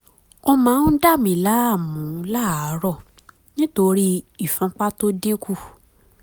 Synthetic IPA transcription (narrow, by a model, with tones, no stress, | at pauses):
ɔ˦mãː˨˦n̩˦da˦˨mĩ˨la˦a˦˨mũ˨˦la˦˨a˨˦ɾɔ˦˨ | nĩ˦to˧ɾi˦i˦˨fũ˨˧˦k͡pa˦to˦de˦ku˦˨